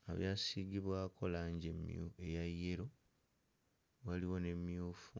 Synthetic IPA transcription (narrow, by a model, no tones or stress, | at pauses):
a̰βjaːsiɡiβwaːkʰo̞laɲɟemuejajːeɾo̞ | waliwo̞ne̞mːjuːfu